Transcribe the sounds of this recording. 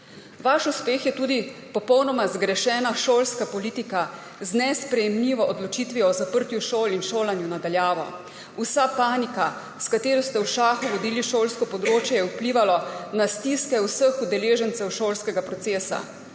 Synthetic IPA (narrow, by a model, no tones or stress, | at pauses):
ʋaʃuspeːxjɛt̪uːd̪ipɔpɔwnɔmazɡɾɛʃɛːnaʃoːlskapɔliːt̪ika | znɛspɾɛjɛmliːʋɔʔɔd̪lɔt͡ʃiːt̪ʋiɔzapəɾt̪juʃoːlinʃoːlanjunad̪aljaːʋɔ̰ | usapaːnika | skat̪eːɾɔst̪ɛwʃaːxuʋɔd̪iːliʃoːlskɔpɔd̪ɾoːt͡ʃjɛjɛupliːʋalɔnast̪iskɛwsəxud̪ɛleːʒənsɛwʃoːlskɛɡapɾɔt̪seːsa̰